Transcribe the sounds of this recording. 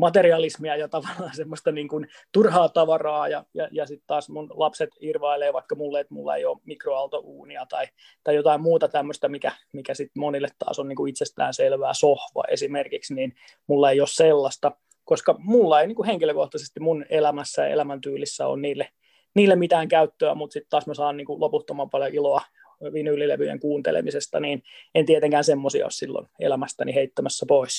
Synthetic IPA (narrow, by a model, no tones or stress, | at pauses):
mɑt̪eriɑlismiɑjɑt̪ɑʋɑlːɑːnsemːost̪ɑniːŋkun | t̪urhɑːt̪ɑʋɑrɑːjɑjɑjɑsit̪t̪ɑːsmunlɑpset̪irʋɑileːʋɑikːɑmulːeet̪mṵlːɑ̰ḛjo̰ːmikroɑlt̪ouːniɑt̪ɑi | t̪ɑijot̪ɑimmuːt̪ɑt̪æmːøst̪æmikæ | mikæsit̪monilːˑet̪tɑ̰ːsonniːŋkuit̪sest̪æ̰ːnselʋæːsohʋɑ̰ʔḛsimerkiksniːn | mulːɑeiosselːɑst̪ɑ | koskɑmulːɑeiniːŋkuheŋkiløkoht̪ɑsest̪immunelæmæsːæjɑ̰ḛlæmænt̪yːlisːæo̰nniːlːe | niːlːemit̪æːŋkæyt̪ːøæ̰mut̪sit̪t̪ɑːsmæsɑːnniːŋkuloput̪ːomɑmpɑljoʔiloɑ | ʋinylːilḛʋyjḛŋkuːnt̪ḛlḛmisest̪ɑ̰niːnent̪iet̪eŋkæːnsemːosiɑ̰o̰ssilːo̰nḛlæmæst̪æniheit̪ːæmæsːæpois